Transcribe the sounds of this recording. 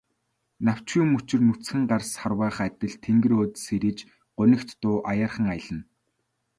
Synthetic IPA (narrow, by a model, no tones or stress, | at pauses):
naw̥t͡ɕuːmut͡ɕɪ̆rnut͡sxɘ̆ŋɢarsχarwæːχæt̪ʲɪ̆ɮt̪ʰːeŋɡɘ̆ɾoːt̪seɾiːt͡ɕ | ɢ̥ʊnə̆kt̪ːʊːʔajaːrχə̆ŋaj̆ɮə̆n